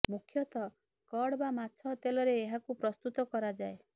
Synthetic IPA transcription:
mukʰjɔt̪ɔ | kɔɽbamat͡ʃʰɔt̪elɔɾeːɦakupɾɔst̪ut̪ɔkɔɾad͡ʒae

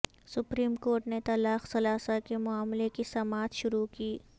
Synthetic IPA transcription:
sʊpɾiːmkoːɾʈnet̪alaːxsɐlaːsakemʊaːmlekisɐmaːt̪ʃʊɾukiː

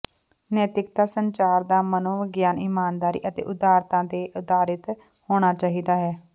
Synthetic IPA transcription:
nɛːt̪ɪkt̪aːsənt͡ʃaːɾd̪aːmənoːʋəɡjaːniːmaːnd̪aːɾḭːʔət̪ḛːʔʊd̪aːɾt̪ãːd̪eːʔʊd̪aːɾɪt̪ | hoːɽ̃aːt͡ʃaːɦiːd̪aːɦɛː

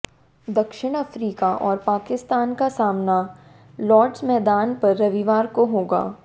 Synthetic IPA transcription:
d̪ɐkʃɪɽ̃ɐfɾiːkaʔɔːɾpaːkɪst̪aːnkasaːmna | lɔːɖzmɛːd̪aːnpɐɾːɐʋiʋaːɾkoɦoːɡa̰ː

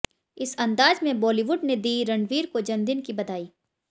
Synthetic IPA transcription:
ɪsɐ̃nd̪aːd͡ʒmẽbɔːliːʋʊɖned̪iːɾɐ̃ɳɖʋiːɾkod͡ʒɐ̃nd̪ɪnkibɐd̪aːiː

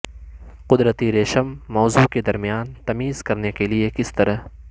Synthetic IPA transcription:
qʊd̪ɾət̪iɾeːʃəmːɔːzuked̪ɐɾmijaːnt̪ɐmiːz̥kɐɾnekeliekɪst̪ɐɾəɦ

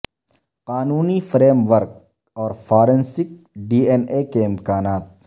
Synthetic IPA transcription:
qaːnuːnifɾeːmʋəɾk̚ | ɔːɾfʰaːɾẽnsɪk̚ | ɖiːeneːkeɪmkaːnaːt̪̚

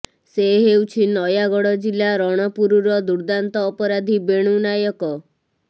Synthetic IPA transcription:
seɦewt͡ʃʰinɔjaɡɔɽɔd͡ʒilaɾɔɽ̃ɔpuɾuɾɔd̪uɾd̪ant̪ɔːpɔɾad̪ʱibeɽ̃unajɔkɔ

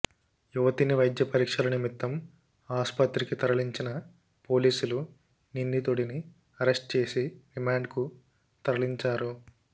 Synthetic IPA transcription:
juʋɐt̪iniʋɐjd̪jɐpɐɾiːkʂɐlɐnimit̪ːɐm | aːspɐt̪ɾikit̪ɐɾɐɭiɲt͡ʃinɐ | po̞ːliːsulu | nind̪it̪oɽini | ɐɾesʈ̚t͡ʃe̞ːsiɖimaːɳɖku | t̪ɐɾɐɭiɲt͡ʃaːɾu

